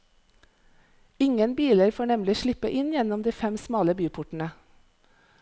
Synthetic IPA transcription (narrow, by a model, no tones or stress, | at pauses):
ɪŋənbiːləɾfoːɳɛmlɪʃɭɪpəʔɪnjɛnɔmd̪iːfɛmsmɑːləbyːpʰʊʈn̩ə